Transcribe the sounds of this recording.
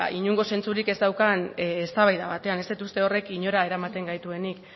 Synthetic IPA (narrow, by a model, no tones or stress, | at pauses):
iɲuŋɡo̞se̞nt͡suɾike̞zd̪awkanːst̪aβajðaβat̪e̞anest̪et̪ust̪e̞o̞re̞kiɲo̞ɾae̞ɾamat̪e̞ŋɡajt̪ue̞nik